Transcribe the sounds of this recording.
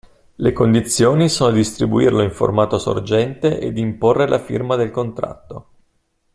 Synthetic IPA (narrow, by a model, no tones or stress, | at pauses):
lekond̪it̪sːjoːnisoːnod̪ist̪ɾibuḭrloiɱfo̰rmaːt̪oso̰rd͡ʒɛnt̪eʔḛd̪imporːelʔafḭrmad̪elkont̪ɾa̰t̪ːo